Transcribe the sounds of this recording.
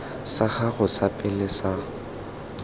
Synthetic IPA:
saɣaɣʊsapʼɪlɪsa

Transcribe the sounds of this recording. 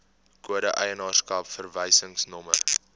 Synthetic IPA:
kuəɾəʔəjənɑːrskɐpfərvəjsəŋsnɔmə

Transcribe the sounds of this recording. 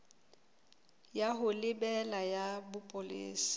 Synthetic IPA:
jaɦʊlɪbɛlajabʊpʼʊlɪ̰ːsi̥

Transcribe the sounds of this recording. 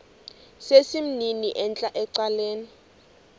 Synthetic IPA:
sesim̩niniʔɛnt͡ɬʼaʔɛǀaleːni

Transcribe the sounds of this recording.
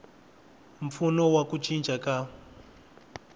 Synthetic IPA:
ɱ̩funɔwakut͡ʃʰind͡ʒʱʼaka

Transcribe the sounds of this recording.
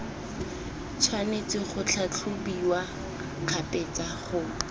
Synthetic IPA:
t͡sʰwanet͡sɪχʊt͡ɬʰat͡ɬʰʊbiwa | q͡χʰapet͡saχʊ

